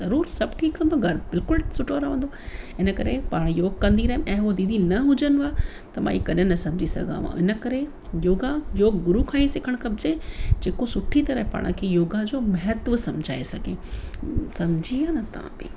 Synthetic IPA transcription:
zɐɾuːɾsɐbʈʰiːkːə̃nd̪oɡɐɾbɪlkʊlsʊʈʰoɾaʋə̃nd̪oɪnəkɐɾepaːɽ̃joːɡ̚kɐ̃nd̪iɾɐɦemʔɛ̃ːɦod̪iːd̪ʱinɐɦʊd͡ʑənɪ̆aː | t̪ɐmã̰iːkɐɗənɐsɐ̃md͡ʑʱisɐ̰ɡʱã̰ʋã̰ɪnə̆kɐɾe | joːɡãjoːɡːɡʊɾukʰaːisɪkʰəɽ̃kɐbd͡ʑẽd͡ʑeːkosʊʈʰit̪ɐɾəɦpa̰ːɽ̃kʰeːjoːɡad͡ʑoːmɐɦət̪ʋəsɐ̃md͡ʑʱa̰ːesɐɡʱḛː | sɐmd͡ʑʱiaːnɐt̪ɐã̰bɪ̰

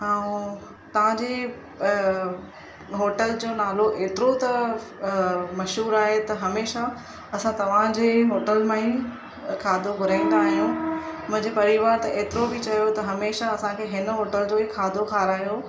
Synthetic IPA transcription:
aːũ | t̪ɐʋ̤ãd͡ʑeː | ɦoːʈəld͡ʑoːnaːloʔeːt̪ɪɾot̪ɐ | mɐʃɦuːɾaːɦet̪ɐɦɐmeːʃa | ɐsãt̪ɐʋ̤ãd͡ʑeːɦoːʈəlmãĩ | kʰaːd̪ʱoɡʱʊɾaːĩn̆d̪aːɦijũːmʊ̃ɦɪ̃ɲd͡ʑepɐɾiʋaːɾt̪ɐʔeːt̪ɪɾobɪt͡ɕɐijot̪ɐɦɐmeːʃaɐsãkʰeːɦɪnɦoːʈəld͡ʑoːikʰaːd̪ʱokʰaːɾaːɦjo

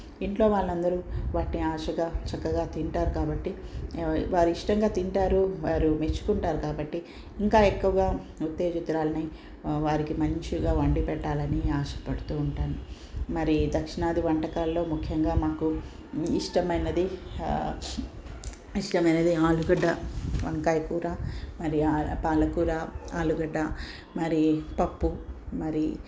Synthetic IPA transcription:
iɳʈlo̞ːʋaːɭːɐnd̪ɐɾuʋaːʈiniaːʂɐɡaːt͡ʃɐkːɐɡaːt̪iɳʈaːɾukaːbɐʈːi | ʋaːɾuiʂʈɐŋɡaːt̪iɳʈaːɾuʋaːɾumet͡ʃːu̥kuɳʈaːɾukaːbɐʈːi | iŋkaːekːuʋɐɡaːut̪ːe̞ːd͡ʒit̪ɾaːlɐni | ʋaːɾikimɐɲt͡ʃiɡaːʋɐɳɖipɛʈːaːlɐniaːʃɐ̥pɐɽut̪uːɳʈaːnu | mɐɾid̪ɐkʂinaːd̪iʋɐɳʈɐkaːlːo̞ːmukʰjɐŋɡaːmaːku | iʂʈɐmɐjnɐd̪i | iʂʈɐmɐjnɐd̪iaːluɡɐɖːɐʋɐŋkaːjɐkuːɾaːmɐɾiapaːlɐkuːɾaːaːluɡɐɖːɐ | mɐɾipɐpːumɐɾi

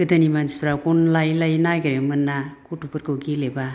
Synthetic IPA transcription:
ɡɯd̪animanspɾakonlajlajnajɡɯɾemɯnːakotupɯɾkɯwɡileba

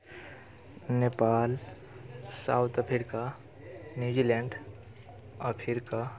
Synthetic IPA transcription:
neːpaːl | sa̰ːʊt̪əpʰɪɾka | njud͡ʒilɛ̃ːɳɖ | ɔpʰɪɾka

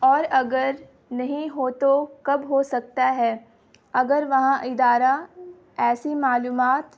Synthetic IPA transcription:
ɔːɾɐɡəɾ | nɐɦĩɦoːt̪okɐbɦosɐk̚t̪aɦɛː | ɐɡəɾʋɐɦãʔɪd̪aːɾa | ɛːsimaːluːmaːt̪

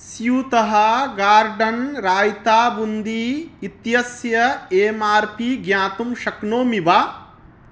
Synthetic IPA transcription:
sjuːt̪ɐɦɐɡaːɾɖɐnɾaːjt̪aːbund̪iːit̪jɐsjɐeːmaːɾpiɡjaːt̪umʃɐknoːmiʋaː

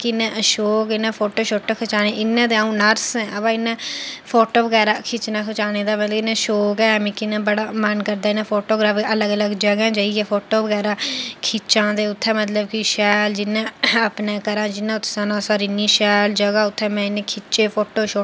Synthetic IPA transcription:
kɪɪnɛ̃ːʃoːkɪnãːpʰoːʈoːʃoːʈːkʰət͡ʃaːneːʔɪnːãːd̪eːaːũːnəɾsɛ̃ːəpãːɪnːɛ̃ːpʰoːʈoːbəɡɛːɾaːkʰɪt͡ʃnãːkʰət͡ʃaːneːd̪aːmət̪lkɪnɛ̃ːʃoːkɛːmĩːkɪnãːbəɽaːmənkəɾd̪aːɪnãːpʰoːʈoːɡɾaːfələɡələɡd͡ʒəɡãːd͡ʒaːiɛːpʰoːʈoːbəɡɛːɾãːkʰɪt͡ʃãːd̪eːʊt̪ʰːɛːmət̪ləbkiʃɛːld͡ʒɪnãːəpneːkəɾãːd͡ʒɪnãːʊt̪ʰːanãːsaːɾiniːʃɛːld͡ʒəɡaːʊt̪ʰːɛ̃ːmɛ̃ːɪnẽːkʰɪt͡ʃeːpʰoːʈoːʃoː

